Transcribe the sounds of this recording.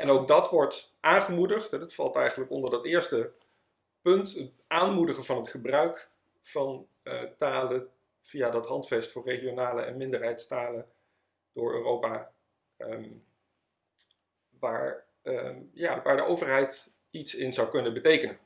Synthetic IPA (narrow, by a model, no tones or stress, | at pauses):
ʔɛnowɡ̚dɑtʋɔɹt | ʔaːnχəmudəχtɦɛdɑtfɑlˠtɛjχənləkɔndəɹdɑtɪːɹstə | pɵntət | aːnmudəχəvɑnɦətχəbrœɥk | fɑn | taːlə | v̥ijadɑtɦɑntfɛstfʊːɹrejχijonaːləɛ̰nmɪndəɹɦɛjtstaːlən | d̥ʊːɹø̰ːrowpa | m | ʋaːɹ | jaːʋaːɹdəʔowvəɹɦɛjt | itsɪnzɑwkɵnənbətejkənən